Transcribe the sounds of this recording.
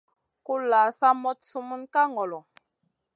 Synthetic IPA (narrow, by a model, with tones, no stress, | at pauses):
ku˦la˨˦sa˦mɔ˦tsu˦mu˦nka˦ŋɔ˨lɔ˨